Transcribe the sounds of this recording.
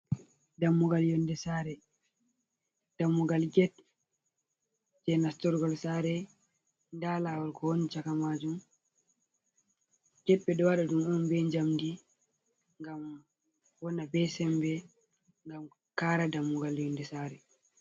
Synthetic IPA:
damːuɡaljɔndɛsaːɾɛ | d̥amːuɡalɡɛt̚ | d͡ʒɛnastɔɾɡɔlsaɾɛ | ndaːlawɔlkɔhɔnt͡ʃakamad͡ʒum | ɡɛt̚bɛɗɔwaɗadumɔnbɛɲd͡ʒamdi | ŋɡam | wɔnabɛsɛmbɛ | ŋɡam | kaːɾadamːuɡaljɔndɛsaɾɛ

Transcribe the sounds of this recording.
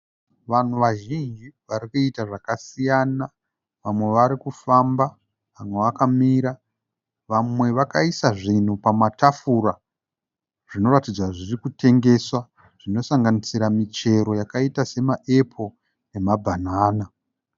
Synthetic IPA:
ʋan̤uʋaʒind͡ʒiʋaɾikuitaʐakasijana | ʋamwe̞ʋaɾikufamba | amweʋakamiɾa | ʋamwe̞ʋakaisaʐin̤upamatafuɾa | ʐ̥ino̞ɾatid͡zwaʐirikute̞ŋɡe̞swa | ʐ̥ino̞saŋɡanisiɾamit͡ʃe̞ɾo̞jakaitase̞maʔe̞pʰo̞ | ne̞mabʱanaːna

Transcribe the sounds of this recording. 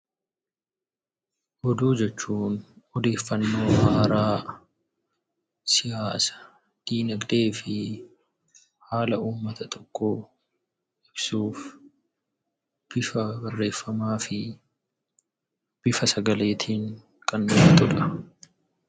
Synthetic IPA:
hɔd̪uːd͡ʒɛt͡ʃːuːnɔd̪e̞ːfːɐnːo̞ːhaːɾaː | sɪjaːsɐ̥ | d̪̥iːnɐɡd̪e̞ːfɪ | haːlɐʔuːmːɐt̪ɐt̪ʼɔ̥kːoː | ʔɪb̥suːf | b̥ɪfɐbɐrːe̞ːfːɐmaːfɪ | b̥ɪfɐsɐɡɐle̞ːt̪ʰiːŋ | kʼɐnːʊfɐt̪ʊᶑɐ̥

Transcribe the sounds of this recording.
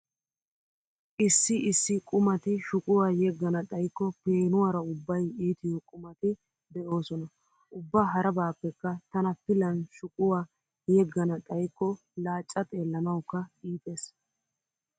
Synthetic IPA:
ʔɪsːɪɪsːɪkʼʊmɐt̪ɪʃʊkʼʊwaːjɛɡːɐnɐɗ̪ʼɐjkːɔpeːnʊwaːɾɐʊbːɐjiːt̪ɪjɔkʼʊmɐt̪ɪ | d̪ɛʔo̞ːsɔnɐ | ʔʊbːaːɦɐɾɐbaːpːɛkːɐt̪ɐnɐpɪlɐnʃʊkʼʊwaː | jɛɡːɐnɐɗ̪ʼɐjkːɔ | laːt͡ʃʼːɐt̪ʼe̞ːlːɐnɐwkːɐiːpe̞ːs

